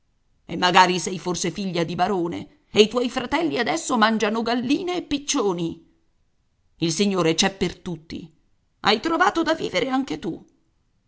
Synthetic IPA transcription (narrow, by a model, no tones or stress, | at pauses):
emːaɡaːɾisɛjforsefiʎːad̪ibaɾoːnḛ | ejt̪wɔjfɾat̪ɛlːiad̪ɛsːomand͡ʒanoɡalːiːneːpːit͡ʃːoːni | ilsiɲːoːɾet͡ʃɛpːert̪ut̪ːḭ | a̰jt̪ɾovaːt̪od̪avːḭːveɾʔeaŋket̪u